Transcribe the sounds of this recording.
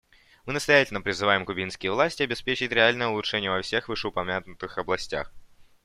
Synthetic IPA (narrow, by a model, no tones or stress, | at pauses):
mɨnəst̪ɐjætʲɪlʲnəpɾʲɪzɨvajɪmkʊbʲinskʲɪjəvlˠasʲtʲɪɐbʲɪspʲet͡ɕɪtʲɾʲɪalʲnəjəʊlˠʊtʂɛnʲɪjəvɐfsʲe̞xvɨʂəʊpɐmʲat̪nʊt̪ɨxɐblˠɐsʲtʲa̰x